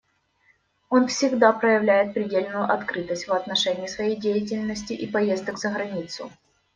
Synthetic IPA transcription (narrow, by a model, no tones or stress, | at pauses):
o̞nfsʲɪɡd̪apɾəjɪvlʲæjɪt̪̚pɾʲɪdʲelʲnʊjʊʔɐt̪kɾɨt̪əsʲtʲvɐt̪nɐʂɛnʲɪjɪsvɐjejdʲejɪt̬ʲɪlʲnəsʲtʲɪʔipɐjezd̪əkzəɣɾɐnʲit̪sʊ̰